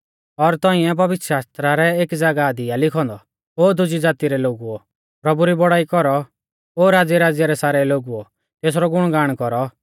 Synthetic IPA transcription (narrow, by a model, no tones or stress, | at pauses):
ɔɾt̪ɔĩɛbʱɐʋɪt̪ʃaːst̪ɾaɾɛeːkd͡zaɡad̪ɪalɪkʰɔ̃ːnd̪ɔ | oːd̪ʊd͡ʒid͡zaːt̪iɾɛloːɡuɔ | pɾɐbuɾibɔɽaːikɔɾɔ | oːɾaːd͡zjɛɾaːd͡zjaɾɛsaːɾɛloːɡuɔ | t̪eːs̬ɾɔɡʊɽ̃ɡaːɽ̃kɔɾɔ